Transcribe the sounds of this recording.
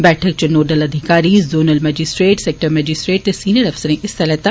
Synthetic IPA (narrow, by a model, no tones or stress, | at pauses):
bɛːʈʰək̚t͡ʃɐnoːɖəlɐd̪ʱɪkaːɾizoːnəlmɛːd͡ʒɪsʈɾeːʈseːk̚ʈəɾmɛːd͡ʒɪsʈɾeːʈ̚t̪esiːnəɾɐfsəɾẽʔɪst̪ɐlɛt̪a